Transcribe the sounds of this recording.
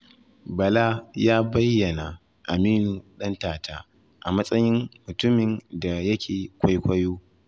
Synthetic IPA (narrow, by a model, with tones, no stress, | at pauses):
bɐ˨la˦jaː˦bɐ˦jːɐ˨na˨ | ʔa˨miː˦nu˨ɗɐ˦ntaː˨taː˦ | ʔa˨mɐ˦sʼɐ˦jɪ˦mːʊ˨tʊ˦mɪ˨nda˨jɐ˦kʲʰeː˨kʷa˦jkʷɐ˦joː˦